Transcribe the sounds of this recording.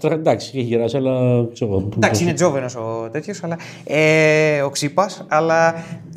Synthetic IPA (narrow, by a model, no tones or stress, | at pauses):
t̪ɾɐɐd̪ɐksiceçiɾɐsɐlɐt͡seod̪ɐksiined͡zo̞venosot̪e̞t̪çosɐlɐ | eo̞ksipɐsɐlɐ